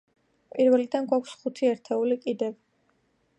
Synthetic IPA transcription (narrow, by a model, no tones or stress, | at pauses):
pʼiɾvɛlid̪anɡwakʷʰsχut̪ʰiɛɾt̪ʰɛulikʼid̪ɛv